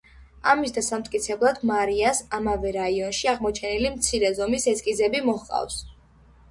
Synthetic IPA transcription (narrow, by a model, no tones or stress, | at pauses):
amisd̪asamt̪ʼkʼit̪sʰɛblˠad̪maɾiasamavɛɾaiɔnʃiaʁmɔt͡ʃʰɛnilimt̪sʰiɾɛzɔmisɛskʼizɛbimɔhqʼa̰fs